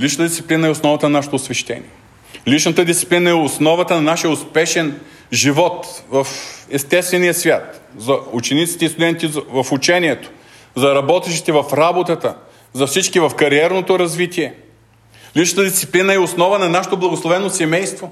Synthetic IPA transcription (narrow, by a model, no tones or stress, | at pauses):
lit͡ʃnt̪əd̪it̪i̥plinəɛosnɔvɐt̪ənɐnaʃɛ̥t̪oːsvɛʃt̪ɛ̰nḭɛ | lit͡ʃnət̪əd̪ist̪si̥plinəɛosnɔvɐt̪ənɐnaʃiɛʊspɛʃɛn | ʒivɔt̪vɐfɛst̪ɛst̪vɛnijəsvʲjat̪zɐut͡ʃɛnit̪si̥t̪ɛist̪ʊd̪ɛnt̪izvɐfut͡ʃɛniɛt̪o̥ | zɐɾɐbɔt̪ɛʃt̪i̥t̪ɛvɐfɾabot̪ət̪ə | zɐfsit͡ʃkivɐfkɐɾiɛɾnot̪oɾɐzvit̪iɛ | lit͡ʃnət̪əd̪ist̪siplinəɛosnɔvənɐnaʃɛ̥t̪oblˠɐɡoslˠovɛnosɛmɛjst̪vo